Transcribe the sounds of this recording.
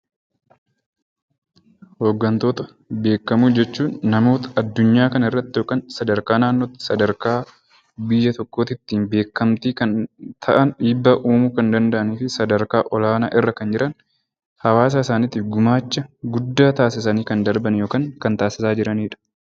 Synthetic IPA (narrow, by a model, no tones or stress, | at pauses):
ho̞ːɡːɐnt̪o̞ːt̪ɐ | be̞ːkːɐmuːd͡ʒɛt͡ʃːuːnːɐmo̞ːt̪ɐ̥ɐd̪ːʊɲːaːkɐnɐɪrːɐt̪ːɪjoːkʼɐnsɐd̪ɐɾkaːnaːnːoːt̪ɪ̥sɐd̪ɐɾkaː | bɪjːɐt̪ɔkːo̞ːt̪ɪt̪ːiːnbe̞ːkːɐmt̪iːkɐnt̪ʰɐʔɐnᶑiːbːɐʔuːmuːkɐnd̪ɐnd̪ɐʔɐniːfɪsɐd̪ɐɾkaːʔɔlaːna̰ːʔɪrːɐkɐnd͡ʒɪɾʔɐn | hɐwaːs̬aːɪsaːniːt̪ɪfɡʊmaːt͡ʃːɐɡʊd̪ːaːt̪aːsɪs̬ɐniːkɐnd̪ɐɾbɐnjo̞ːkaːŋkɐnt̪aːsɪsaːd͡ʒɪɾɐniːᶑɐ̥